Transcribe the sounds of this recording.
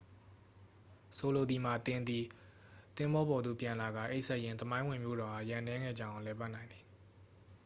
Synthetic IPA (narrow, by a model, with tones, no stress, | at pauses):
so˨lo˨d̪i˨ma˨t̪ɪ̃˨nd̪i˨ | t̪ɪ̃˦mbɔ˦bɔ˨d̪ṵ˨pjã˨nla˨ɡa̰˦˨ʔe˦ʔsɛ˦ʔjɪ̃˦˨nt̪əmã˦ɪ̃wɪ̃˨mjo̰˦˨ɾɔ˨ha̰˦˨jã˨nɛ˦ŋɛ̰˦˨d͡ʑã˦˨ã˨lɛ˨pa˦ʔnã˨ɪ̃nd̪i˨